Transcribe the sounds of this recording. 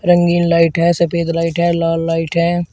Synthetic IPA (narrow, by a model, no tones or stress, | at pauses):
ɾə̃ŋɡiːnlaːɪʈɦɛːsɐpeːd̪laːɪʈɦɛːlaːlːaːɪʈɦɛː